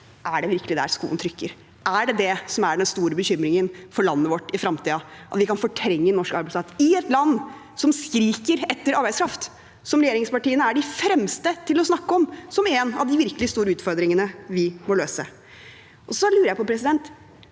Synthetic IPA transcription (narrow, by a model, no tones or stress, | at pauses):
ʔæɖɛʋɪɾkəlɪd̪æ̰ɾskṵːənt̪ʰɾʏkːəɾ | ʔæɖɛd̪ɛsɔmæɖɛnst̪uːɾəbəçʏmːɾɪŋənfɔɭɑnːəʋɔʈːɪfɾɑmt̪ʰiːəʔɑ̰t̪ʋɪkɑnfɔʈʰɾɛŋːənɔʂkɑɾbæɪsɑt̪ɪɛt̪lɑnː | sɔmskɾiːkəɾɛt̪ːəɾɑɾbæɪskʰɾɑft̪ | sɔmɾɛɪjeːɾɪŋspɑʈiːənəæɖɪfɾɛmst̪ət̪ʰɪlɔsnɑkːəɔmsɔmeːnɑ̰ʋd̪ɪʋɪɾkəlɪst̪uːɾəʉːt̪fɔɾd̪ɾɪŋənəʋɪmɔløːsə̰ | ʔɔsɔlʉːɾəjæɪpɔpʰɾɛsɪd̪ɛnt̪